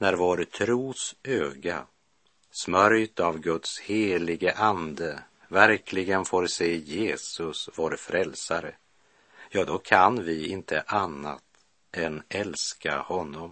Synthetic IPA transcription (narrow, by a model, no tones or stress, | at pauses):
næɾvoːɾt̪ʰɾuːsøːɡa | smœɾjt̪avɡɵt̪sheːlɪɡəʔand̪ə | væɾkʰlɪɡənfoːɾseːjeːsɵsvoːɾfɾɛlsaɾə̰ | jɑːd̪ɔkʰanvɪɪnt̪ʰəʔanːa̰t̪ | ɛnɛlska̰hɔnːɔm